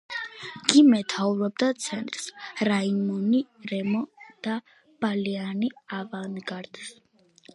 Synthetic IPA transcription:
ɡ̥imɛt̪ʰauɾɔb̚d̪at̪sʰɛnt̪ʼɾsɾaimɔniɾɛmɔd̪̥a | b̥alianiavanɡaɾd̪̥s

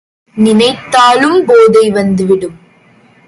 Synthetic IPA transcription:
nɪnɐɪt̪ːaːlɯmpoːðɐɪʋɐnd̪ɯʋɪɽɯm

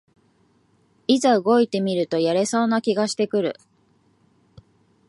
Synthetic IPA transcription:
izaɯ̟ɡo̞it̪e̞mʲiɾɯ̟t̪o̞jaɾe̞so̞ːnakʲiɡaɕi̥t̪e̞kɯ̟ɾɯ̟̰

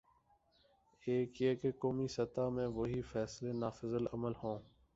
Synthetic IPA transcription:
eːkjeːkekoːmiːsət̪aːmẽːʋoɦiːfɛːsleːnaːfəzələməlhõː

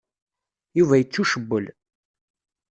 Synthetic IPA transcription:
juvæjət͡sːuʃəbːəl

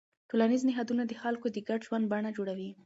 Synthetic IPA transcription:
ʈolaniznɪɦɑd̪unad̪əxalkod̪əɡaɖʒwand̪̚baɳad͡ʒoɽawi

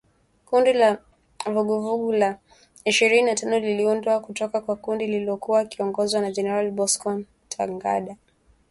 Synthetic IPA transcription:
kundila | vuɡuvuɡula | iʃiɾininatanɔliliundwakutɔkakwakundililɔkuwakiɔŋɡɔzwanad͡ʒɛnɛɾalibɔskɔn | tʰa̰ŋɡa̰ɗa

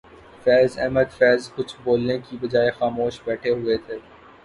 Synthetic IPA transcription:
fɛːzɛːməd̪fɛːzkʊt͡ʃʰboːlnẽkibɐd͡ʒaːexaːmoːʃbɛːʈʰeɦʊet̪ʰeː

